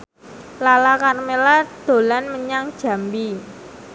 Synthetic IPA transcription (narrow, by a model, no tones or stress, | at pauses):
lalakarmelad̪̥o̤lanməɲaŋd̥ʒ̥a̤mbi